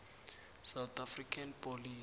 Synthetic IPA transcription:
sawt̪ʰafrikʰanpɔli

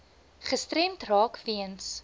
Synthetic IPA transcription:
χəstrɛmtrɑːkviəns

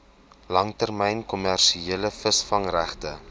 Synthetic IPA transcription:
lɐŋtərmɛjnkɔmærʃieələfəsfɐŋræχtə

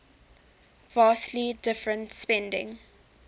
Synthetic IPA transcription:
vaːstlidɪfɹə̃ntspɛ̃ndɪ̰̃ŋ

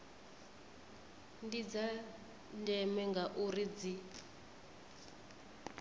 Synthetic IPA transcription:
ndid͡za | ndɛmɛŋɡaʔurid͡zi

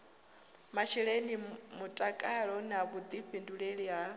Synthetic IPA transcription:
maʃiɺenimutʼakʼaɺɔnaβud̪iɸinduɺeɺiɦa

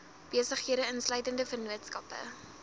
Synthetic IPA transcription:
b̥iəsəχɦiəɾəənslœɥtəndəfərnuətskɐpə̰

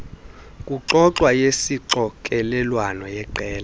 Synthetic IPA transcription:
kʼuǁɔǁwajesiǁɔkʼɛlɛlwanɔjɛǃɛːla

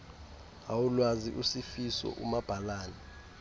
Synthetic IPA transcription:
awulwazḭʔusifisɔ̰ʔumab̥ʱalaːnɛ

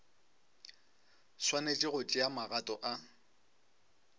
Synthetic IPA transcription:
swanet͡ʃʼɪɣʊt͡ʃʼɪamaɣatʼɔʔa

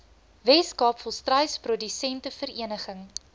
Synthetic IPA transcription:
vɛskɑːpfɔlˠstrɐjsprɔdysɛntəfəɾiənəχəŋ

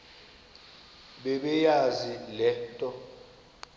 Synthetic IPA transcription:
ɓɛɓɛjazilɛtʼɔ

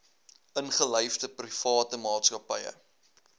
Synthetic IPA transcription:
ʔənχəlɛjfdəprifɑːtəmɑːtskɐpɛjə̰

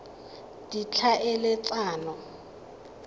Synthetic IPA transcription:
d̥it͡ɬʰaʔɛlɛt͡sʼaːnɔ

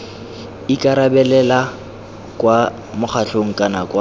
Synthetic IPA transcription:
ikʼaɾabɛlɛla | kʼwa | mʊχʰaɬoŋ̩kʼanakwa

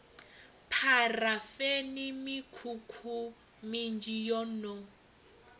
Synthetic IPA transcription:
pʰarafenimikʰukʰu | mind͡ʒijɔnɔ

